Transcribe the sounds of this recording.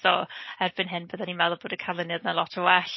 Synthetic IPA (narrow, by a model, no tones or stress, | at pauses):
ɔɛrb̥ɪnɦɪnbəðanimɛlˠɔb̥oːdəkʰalˠɪnjədnalˠɔtʰəwɛɬ